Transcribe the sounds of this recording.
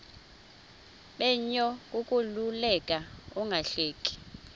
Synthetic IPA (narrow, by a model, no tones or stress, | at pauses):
ɓɛɲɔkʼukʼululɛkʼauŋɡʱaɬeːkʼi̥